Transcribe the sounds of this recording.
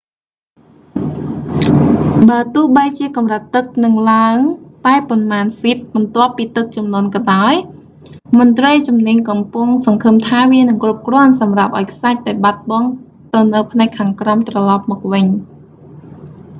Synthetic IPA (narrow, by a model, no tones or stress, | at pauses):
ɓaət̪ʊ̆əhɓəjt͡ɕiəkɑmrət̪ːɨk̚nɨŋlaəŋt̪aɛponmaːnfit̪̚mɑnt̪ŏəpːiːt̪ɨk̚t͡ɕɑmnŏənkɑɗaɔj | mŏənt̪rəjt͡ɕumniəɲkɑmpuəŋsɑŋkʰɨmt̪ʰaːʋiənɨŋkrup̚krŏənsɑmrap̚ʔaɔjkʰsac̚t̪aɛɓat̪̚ɓɑŋ | t̪ɨwnɨwpʰnaɛkkʰːaːŋkramt̪rɑlɑp̚mɔːk̚ʋɨɲ